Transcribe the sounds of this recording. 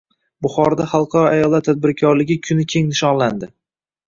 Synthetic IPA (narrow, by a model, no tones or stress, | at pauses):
bʊχɒɾd̪aχɑlˠqʰɑɾɒajɒlˠat̪ʰːad̪̚bɪɾkʲʰɒɾlɪɡʲɪkʲʰʊnɪkʲʰe̞ŋnɪʃɒnland̪ɪ